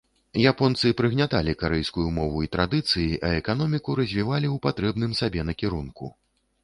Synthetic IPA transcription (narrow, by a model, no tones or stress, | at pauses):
japɔnt̪sɨpɾɨɣnʲat̪alʲikaɾɛjskujumɔvuit̪ɾad̪ɨt̪sɨjiʔɐɛkanɔmʲikuɾɐzʲvʲivalʲiuwpat̪ɾɛbn̪ɨmsabʲɛnɐkʲiɾunkṵ